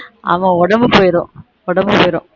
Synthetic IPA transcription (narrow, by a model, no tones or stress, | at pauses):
a̰ʋɐ̃ɔɽɐmbɯpoːjɾõ̰ː | ɔɽɐmbɯpoːjɾõ̰ː